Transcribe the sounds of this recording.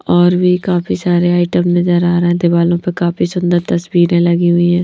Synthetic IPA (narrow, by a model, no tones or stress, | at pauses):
ɔːɾʋiːkaːpʰiːsaːɾeːaːɪʈəmnəzəɾaːɾɛ̃ːd̪eːbaːlõːpəkaːpʰiːsʊnd̪əɾt̪əswiːɾẽːləɡiːɦʊiːɛ̃ː